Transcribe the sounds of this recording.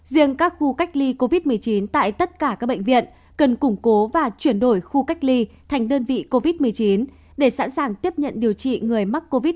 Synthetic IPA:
zi˧əŋkaː˦˥k̚xu˧ka˦˥jk̟̚li˧ko˧vi˦˥t̚mɨ˨˩əjt͡ɕi˨˦nt̪a̰ː˧˨jt̪ə˦˥t̚kaː˧˩kaː˦˥k̚ɓə̰˧˨ŋ̟vḭ˧˨ən | kə˨˩nkʊ˧˩ŋ͡mko˨˦vaː˨˩t͡ɕwi˧˩ənɗo˧˩jxu˧ka˦˥jk̟̚li˧ | t̪ʰa˨˩ŋ̟ɗəː˧nvḭ˧˨ko˧vi˦˥t̚mɨ˨˩əjt͡ɕi˨˦n | ɗe˧˩sa̰˧˥nsaː˨˩ŋt̪i˦˥əp̚ɲə̰˧˨nɗi˨˩əwt͡ɕḭ˧˨ŋɨ˨˩əjma˦˥k̚ko˧vi˦˥t̚

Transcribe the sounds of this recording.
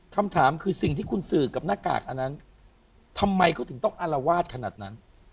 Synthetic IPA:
kʰa˧mt̪ʰaː˩˦mkʰɯː˧si˨˩ŋt̪iː˥˩kʰu˧nsɯː˨˩ka˨˩p̚naː˥˩ka̰ː˨˩k̚ʔa˧nːa˦˥n | t̪ʰa˧mːa˧jkɔː˥˩t̪ʰɯ˩˦ŋt̪ɔ˥˩ŋʔa˧la˧waː˥˩t̪̚kʰa˧naː˨˩t̪̚na˦˥n

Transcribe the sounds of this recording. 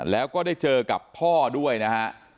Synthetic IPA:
lɛː˦˥wkɔː˥˩da˥˩jt͡ɕɤː˧ka̰˨˩pʰɔː˥˩du˥˩əjna˦˥kʰa˦˥ʔ

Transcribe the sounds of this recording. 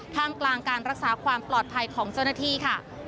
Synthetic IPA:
kʰaː˥˩ŋklaː˧ŋkaː˧nɾa˦˥k̚saː˩˦kʰwaː˧mplɔː˨˩t̪̚pʰa˧jkʰɔː˩˦ŋt͡ɕa˥˩wnaː˥˩t̪ʰiː˥˩kʰa˥˩

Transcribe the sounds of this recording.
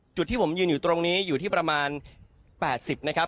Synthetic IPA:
t͡ɕu˨˩t̪̚ʰːiː˥˩pʰo˩˦mjɯː˧njuː˨˩t̪ɾo˧ŋniː˦˥juː˨˩iː˥˩pɾa˧maː˧n | pɛː˨˩t̪̚si˨˩p̚na˦˥kʰa˦˥p̚

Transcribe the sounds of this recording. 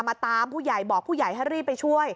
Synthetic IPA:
mːaː˧t̪aː˧mpʰuː˥˩ja˨˩jbɔː˨˩k̚pʰuː˥˩ja˨˩jɦa˥˩jɾiː˥˩p̚ːa˧jt͡ɕʰu˥˩əj

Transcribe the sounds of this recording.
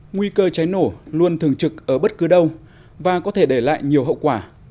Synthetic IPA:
ŋwi˧kəː˧t͡ɕa˨˦jno˧˩lu˧ənt̪ʰɨ˨˩əŋt͡ɕɨ˨˩k̚ʔəː˧˩ɓə˦˥t̚kɨ˨˦ɗə˧w | vaː˨˩kɔ˨˦t̪ʰe˧˩ɗe˧˩la̰ː˧˨jɲi˨˩əwɦə̰˧˨wkwaː˧˩

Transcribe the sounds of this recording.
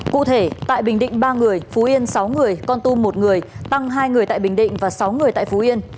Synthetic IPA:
kṵ˧˨t̪ʰe˧˩t̪a̰ː˧˨jɓï˨˩ŋ̟ɗḭ̈˧˨ŋ̟ɓaː˧ŋɨ˨˩əjfu˨˦ʔi˧ənsa˨˦wŋɨ˨˩əjkɔ˧nt̪u˧mo˨˩t̚ŋɨ˨˩əjt̪a˧ŋɦaː˧jŋɨ˨˩əjt̪a̰ː˧˨jɓï˨˩ŋ̟ɗḭ˧˨ŋ̟vaː˨˩sa˨˦wŋɨ˨˩əjt̪a̰ː˧˨fu˨˦ʔi˧ən

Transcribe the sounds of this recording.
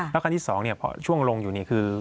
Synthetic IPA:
ɛː˦˥kʰa˧t̪ʰiː˥˩sɔː˩˦ŋni˥˩ɐpʰɔ̰˧˥t͡ɕʰu˥˩əŋlo˧ŋjuː˨˩ni˥˩əkʰɯː˧

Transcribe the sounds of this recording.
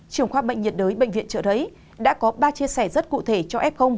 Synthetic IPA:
t͡ɕɨ˧˨˩əŋxwaː˧˩ɓə̰˧˨ŋ̟ɲi˨˩t̚ɗəː˨˦jɓəḛ˧˨ŋvḭ˧˨ənt͡ɕəː˧˨˩ɗə˨˦j | ɗa̰ː˧˥kɔ˨˦ɓaː˧t͡ɕi˧əsɛ˧˩zə˦˥t̚kṵ˧˨t̪ʰe˧˩t͡ɕɔ˧ʔɛ˦˥p̚xə˧wŋ͡m

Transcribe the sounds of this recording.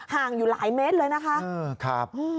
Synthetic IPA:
haː˨˩ŋzu˨˩la̰ː˧˨jme˨˦˥t̚ləː˧˩jna˨˦xaː˧kʰaː˧˦˩p̚ʔ

